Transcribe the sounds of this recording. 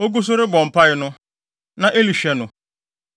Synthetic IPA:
o˦ɡo˦s̬o˦ɾe˦bɔ˨m̩˨pa˦ɪ˦nʊ̃˦ | nã˨ʔe˦li˨ʃɛ˨nʊ̃˨

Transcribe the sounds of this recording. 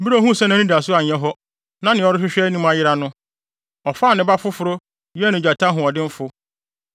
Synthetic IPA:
bi˦ɾo˨˦˨ɦũ˦˨sɛ˦nã˨nĩ˦di˨a˨sʊ˦a˨ɲ˨ɛ̃˦ɦɔ˦ | nã˦nɪ̃˨ɔ˦ɾɪ˦ɕᶣɪ˦ɕᶣɛ˦nĩ˦ma˨jɪ˦ɾa˦nʊ̃˦ | ɔ˨faː˦˨nɪ̃˦ba˦fʊ˦fʊ˨ɾo˦ | jɪ˦ɛ˦nɪ̃˨d͡ʑᶣa˨tʰã˦ɦʊ̃˨ɔ˨dɪ̃˦m̩˦fʊ˦

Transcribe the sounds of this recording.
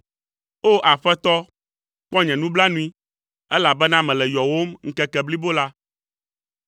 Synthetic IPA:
o˦ʔa˨ɸɛ˦t̪ɔ˦ | k͡pɔ˦ɲɛ̃˨nũ˦bla˦nũ˦i˦ | ɛ˦la˨bɛ˦nã˦mɛ̃˨lɛ˨jɔ˨wo˦mŋ̩˦kɛ˦kɛ˨bli˦bo˦la˦

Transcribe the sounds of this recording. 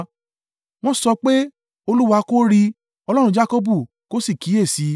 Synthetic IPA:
w̃ɔ̃˦sɔ˧k͡pe˦ | o˧lu˦wa˧ko˦ɾi˧ | ɔ˧lɔ˦ɾ̃ũ˧d͡ʒa˦ko˦bu˦˨ | ko˦si˦˨ki˨˦e˦˨si˨˦

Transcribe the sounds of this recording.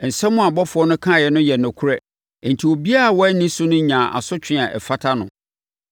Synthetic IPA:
n̩˨sɛ̃˦mʊ̃˦a˨bɔ˦fʊ˨ɔ˦nʊ̃˦kʰã˦˨jɛ˨nʊ̃˦jɛ˨nʊ̃˨kʰʊ˦ɾɛ˦˨ | n̩˨tʰi˨wo˨bi˦a˦a˨wɔ˦ɛ˦nĩ˦sʊ˦nʊ̃˦ɲãː˨ʔa̰˨sʊ˦t͡ɕᶣʰɪ̃˦˨a˨ʔɛ̰˨fa˦tʰa˦nʊ̰̃˨

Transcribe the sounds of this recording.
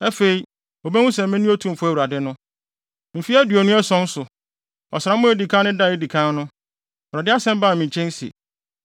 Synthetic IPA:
ɛ˦fe˨i˨ | o˨bɛ˦wʊ̃˦sɛ̃˨m˦mɪ̃˦nũ˦o˦tʰũ˦m̩˨fʊ˦æ˨wu˨ɾa˨dɪ˦nʊ̃˦ | m̩˨fi˦æ˦dɥɔ˨nũ˦ɛ˦sɔ̃˦n̩˦sʊ˨ | ɔ̰˨sɪ˨ɾa˦mʊ̃˦e˦di˨kʰã˦nʊ̃˦da˦˨e˦di˨kʰã˦nʊ̃˦˨ | ɾa˨dɪ˦a˦sɛ̃˦m˦ba˦˨mĩ˨ɲ˨t͡ɕʰɛ̃˦n˦sḭ˨

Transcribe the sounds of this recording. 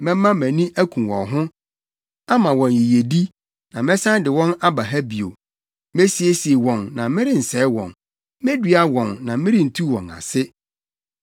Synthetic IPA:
mɛ̃˦mã˦mæ̃˨nĩ˦ʔæ˦kʰũ˨wɔ̰̃˨nɦʊ̃˦ | a˦mã˨wɔ̃˨n˨ji˨je˨di˦ | nã˨mɪ̃˦sã˦n˦dɪ˨wɔ̃˦na˦ba˨ɦæ˦bi˨o̰˨ | me˦si˨e˦si˨e˨wɔ̃˨nnã˨mɪ̃˦ɾɪ˦n̩˨sɛː˨˦wɔ̰̃˨n | mɪ̃˦dɥa˦wɔ̃˨nːã˨mɪ̃˦ɾɪ̃˦n̩˨tʰu˦wɔ̃˨na̰˨sɪ˦

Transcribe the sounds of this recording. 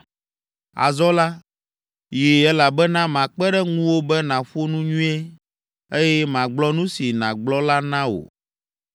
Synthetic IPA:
a̰˨zɔ˦la˦ | ji˨ɛ˦la˨bɛ˦nã˦mã˨k͡pɛ˦ɖɛ˦ŋũ˦wo˦bɛ˦nã˨ɸo˦nũ˦ɲũ˦e˦ | e˦jɛ˦mã˨ɡ͡blɔ˦nũ˦si˨nã̰˨ɡ͡blɔ˦la˦nã˦wo̰˨

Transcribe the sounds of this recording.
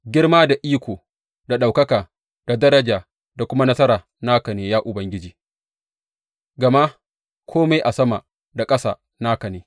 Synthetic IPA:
ɡʲɪ˦rmaː˦da˨ʔiː˦kʷoː˨ | da˨ɗa˨wkɐ˦kaː˨ | d̥a˨dɐ˦ɾɐ˦d͡ʒaː˨ | da˨kʷʊ˦ma˦nɐ˦sɐ˦ɾaː˨ | naː˦kɐ˨neː˨jaː˦ʔʊ˨bɐ˦ŋɡʲɪ˦d͡ʒiː˨ | ɡɐ˨ma˦ | kʷʰoː˦ma˦jʔa˨sɐ˦ma˨ | da˨kʼɐ˦sa̰ː˨ | naː˦kɐ˨neː˨

